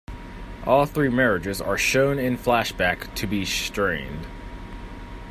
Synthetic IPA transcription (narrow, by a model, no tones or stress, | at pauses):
ʔɔlˠθɹimɛɹɨd͡ʒɨzə̰˞ʃõʊ̃nɪ̃nflæʃb̥æktʰɨbistɹ̥ẽɪ̃nd̥